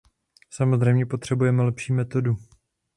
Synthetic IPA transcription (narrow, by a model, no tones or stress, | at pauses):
samozr̝ɛjmɲɛpot̪r̝̥ɛbujɛmɛlɛpʃiːmɛt̪o̞du